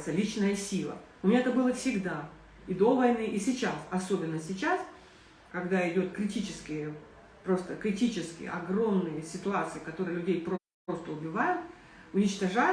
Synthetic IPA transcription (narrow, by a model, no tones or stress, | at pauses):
t̪səlʲit͡ɕnəjəsʲilˠə̰ | ʊmʲɪnʲaɛt̪əbɨlˠəfsʲɪɡd̪a | ɪd̪o̞vɐjnɨʔɪsʲɪt͡ɕasɐso̞bʲɪnːəsʲɪt͡ɕas | kɐɡd̪aɪdʲo̞t̪kɾʲɪtʲit͡ɕɪskʲɪjə | pɾo̞st̪əkɾʲɪtʲit͡ɕɪskʲɪ̰jə̰ɐɡromnɨjəsʲɪt̪ʊat̪sɨjɪkɐt̪o̞ɾɨjlʲʉdʲejp | o̞st̪əʊbʲɪvajʊt̪̚ | ʊnʲɪt͡ɕt̪ɐʐa